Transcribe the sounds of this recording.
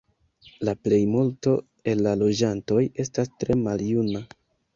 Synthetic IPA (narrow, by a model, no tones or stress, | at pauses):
laple̞jmulto̞ | e̞lːalo̞d͡ʒanto̞je̞stastɾe̞maljuna